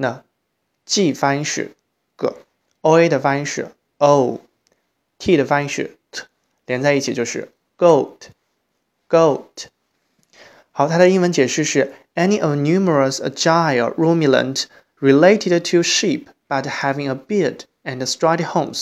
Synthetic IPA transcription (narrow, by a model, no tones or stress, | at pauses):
nə | t͡ɕifãnʂɻ̩̰ | kə̰ | oʊedəfãɪ̃nʂɻ̩̰ | oʊ | tʰidəfãɪnʂɻ̩̰ | ljɛnt͡saɪit͡ɕʰit͡ɕjoʊʂɻ̩̰ | ɡ̥oʊt | ɡ̥oʊt | haʊt̪ʰaɾəĩŋwənt͡ɕjɛʂ̩ʂɻ̩ | ɛniʔəvnjumə˞əsə̰d͡ʒaɪə̰ɹumjilə̰̃nt | ɹileɪtʰɪdtʰuʃip | b̥athævɪ̃ŋəbid | ɛ̃nəstɹaɪthõʊ̃ms